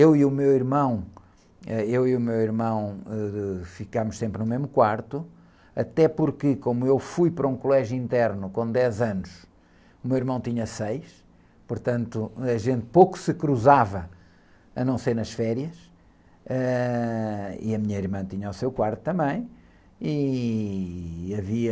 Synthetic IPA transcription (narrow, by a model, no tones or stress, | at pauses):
ewiumewiɾmɐ̃w̃ | ɛewiumewiɾmɐ̃w̃ɛfikamʊʃsẽmpɾnumeʒmukwaɾt̪u | ɐt̪ɛpuɾkɨkomuewfujpɐɾɐũkulˠɛʒjuĩnt̪ɛɾnukõd̪ɛzɐnʊʃ | umewiɾmɐ̃w̃t̪iɲɐsejʃ | puɾt̪ɐ̃nt̪uɐʒẽnt̪̚powku̥sɨkɾuzavɐ | ɐnɐ̃w̃seɾnɐʃfɛɾjɐʃ | ɛ | ḭɐmiɲɐiɾmɐ̃t̪iɲawsewkwaɾt̪u̥t̪ːɐ̃mbɐ̃j̃ | i | ɐviɐ